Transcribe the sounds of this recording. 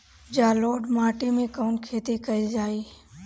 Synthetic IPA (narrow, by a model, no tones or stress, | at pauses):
d͡ʒaːloːɖmaːʈimẽkəːnkʰeːt̪ikəid͡ʒaːiː